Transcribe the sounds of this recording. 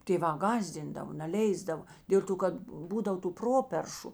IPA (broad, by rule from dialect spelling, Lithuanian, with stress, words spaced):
tʲeːˈʋɑː ˈɡɑːzʲdʲɪndɐʋoː nʲɛˈlʲɛɪzdɐʋoː ˈdʲeːlˠ toː kɐt ˈbuːdɐw tuː ˈproːpʲɛrʃʊ